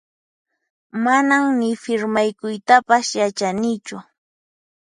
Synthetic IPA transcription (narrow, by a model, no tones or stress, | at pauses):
manamnɪfɪɾmajkʊjt̪apasjat͡ʃanɪt͡ʃʊ